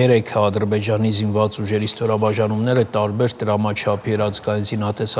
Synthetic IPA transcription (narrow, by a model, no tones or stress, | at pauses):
ɛɾɛkʰəɑd̪əɾbɛd͡ʒɑnizinvɑt͡suʒɛɾist̪ɔɾɑbɑʒɑnumnɛɾət̪ɑɾbɛɾt̪əɾɑmɑt͡ʃʰɑpʰiɛɾɑt͡sɡɑjinzinɑt̪ɛsɑ